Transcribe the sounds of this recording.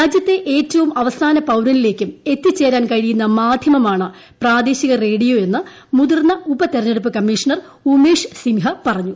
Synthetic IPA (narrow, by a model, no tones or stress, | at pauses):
ɾaːd͡ʑjɐt̪ːe̞ʔe̞ːtːɐʋumɐʋɐsaːnɐpɐwɾɐnile̞ːkʲːume̞t̪ːit͡ɕːe̞ːɾaːnkɐɻijunːɐmaːd̪ʱjɐmɐmaːɳɨ | praːd̪eːɕiɣɐre̞ːɽijo̞ːe̞nːɨ | muðirnːɐubɐt̪eɾɐnːeɽupːɨkɐmːiːʂɐɳɐr | umeːʂsiŋɦɐpɐrɐɲːu